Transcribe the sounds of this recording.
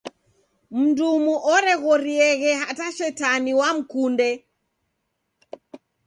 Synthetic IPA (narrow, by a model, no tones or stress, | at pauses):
m̩ndumuʔɔɾɛɣɔɾiɛɣɛɦataʃɛtaniwam̩kundɛ